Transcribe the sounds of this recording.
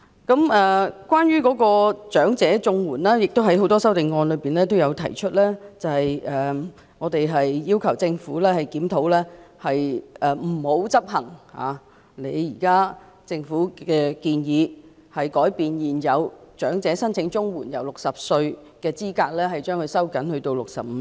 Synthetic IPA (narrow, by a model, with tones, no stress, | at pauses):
kɐ˨˥mɛː˨˧kwaː˥nɥyː˥kɔː˨˥kɔː˧t͡ʃœː˨˥ŋt͡sɛː˨˥t͡sʊ˧ŋwuː˨˩nlaː˥jɪ˨k̚t̪o˥wɦɐ˨˥jɦo˨˥wt̪ɔː˥sɐ˥wt̪ɪ˨ŋːɔː˧nlɵ˨˧ɥpiː˨˩nlɛː˥t̪̬o˥wjɐ˨˧wt̪ʰɐ˨˩jt͡ʃʰɵ˥t̚lɛː˥t͡sɐ˨˩hɐ˨jʔɛː˨ | ŋɔː˨˧t̪e˨jɦɐ˨jːiː˥wkʰɐ˨˩wt͡sɪ˧ŋfuː˨˥lɛː˥hɐ˨jkiː˨˥mt̪ʰo˨˧˥wlɛː˥hɐ˨jʔɛ˨m̩˨˩ho˨˧˥wt͡sɐ˥p̚hɐ˨˩ŋha̰ː˨˧ | le˨˧jjiː˨˩kaː˥ | t͡sɪ˧ŋfuː˨˥ɛː˧kiː˧njiː˨˧ | hɐ˨jkɔː˨˥jpiː˨njiː˨˩njɐ˨˧wt͡ʃœː˨˥ŋt͡sɛː˨˥sɐ˥nt͡sʰɪ˨˧˥ŋt͡sʊ˥ŋwuː˨˩njɐ̰˨˩wlʊ˨k̚sɐ˨p̚sɵ˧ɥ | kɛː˧t͡siː˥kaː˧k̚lɛː˥ɦɐ˨˩jt͡ʃœː˥ŋkʰɵ˨˧sɐ˥wkɐ˨˥nhɵ˧t̪o˧wlʊ˨k̚sɐ̰˨p̚m̩˨˧